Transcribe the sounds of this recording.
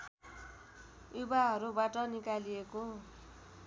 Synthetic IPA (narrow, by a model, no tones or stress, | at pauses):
jubaɦʌɾubaʈʌnikalieko